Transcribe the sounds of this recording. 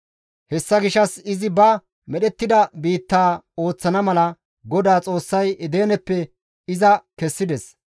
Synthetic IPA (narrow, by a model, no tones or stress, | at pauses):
hɛsːɐɡɪʃɐsɪzɪbɐ | mɛɗɛt̪ːɪd̪ɐbiːt̪ːaːo̞ːt͡sːɐnɐmɐlɐ | ɡɔd̪aːt͡sʼo̞ːsːɐjɛd̪eːnɛpːɛ | ɪzɐkɛsːɪd̪ɛs